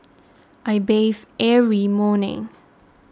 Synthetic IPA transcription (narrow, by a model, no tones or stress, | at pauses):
ʔajbevʔɛvimɔnɪ̰̃ŋ